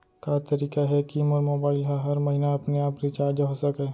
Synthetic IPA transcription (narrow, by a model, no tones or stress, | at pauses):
kat̪ɐɾiːkaɦɛkiːmɔːɾmoːbaːɪlɦaɦɐɾmɐɦinaɐpneaːpɾit͡ʃaːɾd͡ʒaɦosɐkeː